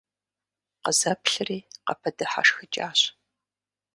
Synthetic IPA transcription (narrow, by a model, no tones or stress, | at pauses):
qəzɐpɬɨriːqɐpʰɐdɨħa̰ʂxɨt͡ʃʼaːɕ